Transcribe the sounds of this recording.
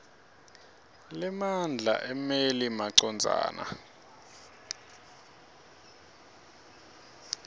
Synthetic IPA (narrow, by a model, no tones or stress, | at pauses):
lɛmand͡ɮʱa̰ʔɛmelimaǀɔnd͡zʱa̰ːnʔa̰